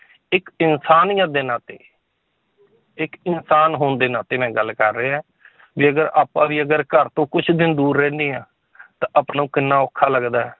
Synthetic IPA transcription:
ɪkɪnsaːnjãːd̪eːnaːt̪ḛː | ɪkɪnsaːnɦoːnd̪eːnaːt̪eːmɛ̃ːɡəlkəɾːeːɛ̃ː | ʋiːəɡəɾa̰ːpːãːʋiːəɡəɾkəɾt̪õːkʊt͡ʃʰd̪ɪnd̪uːɾːɛ̃ːnd̪iːãː | t̪ãːʔəpnaũːkɪnːãːʊkʰːaːləɡd̪aːɛː

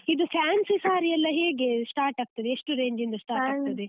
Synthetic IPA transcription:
id̪upʰjaːnsɨsaːɾiɐlːɐɦeːɡesʈaːɾʈaːɡ̚t̪ːɐd̪eeʂʈuɾeːɲd͡ʒind̪ɐsʈaːɾaːt̪ɐd̪e

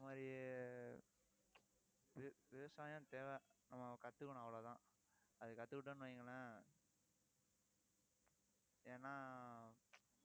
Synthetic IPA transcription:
ɪɪɐmaːðɾi | ɪʋɪʋɐsaːjɐ̃ːt̪eːʋɛnɐmːɐkɐt̪ːɯkːɐɳ̃ɐʋɐɭoːt̪ãː | ɐðɯkɐt̪ːɯkɪʈːɐnːɯʋɐŋɡɐɭɐ̃ | eːnːaː

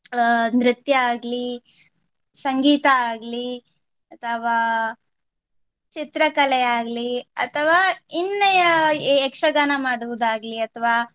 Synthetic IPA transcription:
nɾɪt̪jɐaːɡli | sɐŋɡiːt̪ɐaːɡli | ɐt̪ʰɐʋaː | t͡ʃit̪ɾɐkɐlɛjaːɡliɐ̰t̪ʰɐʋaːinːɐjɐekʂɐɡaːnɐmaːɽuʋud̪aːɡliɐt̪ʰɐʋaː

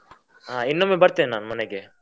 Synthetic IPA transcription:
ɦaːinːomeːbɐɾt̪inenaːnmɐneɡe

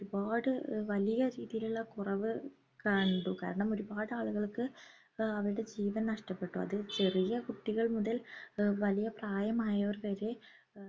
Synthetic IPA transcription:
oɾubaːɽɨʋɐlijɐɾiːðijiluɭːɐkurɐʋɨ | kɐɳɖuka̰ːɾɐɳɐmo̞ɾubaːðɨaːɭuɣɐɭkɨ | ɐʋɐɾɨɽe̞d͡ʑiːʋɐnnɐʂʈɐpːe̞ʈːuɐ̰ðɨt͡ɕe̞rijɐkuʈːiɣɐɭmuðɐlʋɐlijɐpraːjɐmaːjɐorʋɐɾe

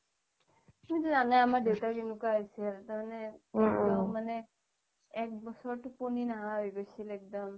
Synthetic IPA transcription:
mutuzanajamaɹdewtakenukwaɦojsɛtamanɛɛkdɔmːanɛ | ɛk̚bɔsɔɹtuponinaɦãɦojɡojsilɛk̚dɔm

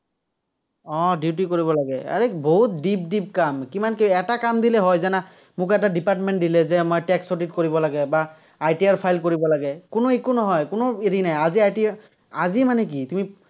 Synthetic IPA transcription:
ɔ̃ditikoɹiβɔlaɡɛa̰ɹiboɦut̪̚dip̚dip̚kamkimankiɛtakamdilɛɦɔjzana | mʊkɛt̬adipatmɛnʈ̚dilɛzɛmojʈɛksoʈitkoɹibɔlaɡɛbaː | jtiaɹpʰajlkoɹibɔlaɡɛkʊnoekunɔɦɔjkʊnʊiɹinajaziajti | azimanɛk̬itumi

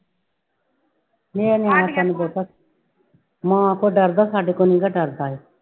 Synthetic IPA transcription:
meːeneãːsənboːt̪a | mãːkoːɖəɾd̪aːsaːɖiːkoːnĩːɡaːɖəɾd̪aːɦeː

